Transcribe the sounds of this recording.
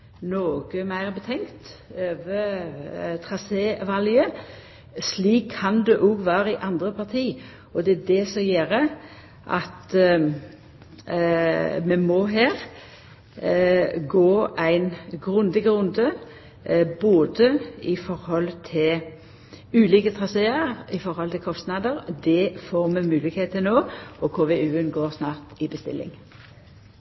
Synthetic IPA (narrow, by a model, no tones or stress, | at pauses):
noːɡ̥əmæɪʁbət̪ʰɛŋkt̪øːʋə | t̪ʰʁɑseːʋɑljə | sliːkʰːɑnd̪ʉʔɔɡʋæːɾəɪʔɑnd̪ʁəpʰɑʁt̪ʰiː | ɔd̪ɛæd̪ɛsɔjeːɾə | ʔɑt̪ | mɛmoːɦeːɾ | ɡoːɾæɪnɡʁʉnd̪əɡəʁʉnd̪ə | boːd̪əɪfɔʁhɔlt̪ʰɪl | ʉːliːkət̪ʰʁɑseːəʁɪfɔɾhɔlt̪ʰɪlkʰɔst̪nɑːd̪əɾd̪ɛfoːʁmɛmʉːlɪkheːt̪ʰɪnoːɔkʰoːʋeʉːənɡoːʁsnɑːʁt̪ɪbəst̪ɪ̰lːɪ̰ŋ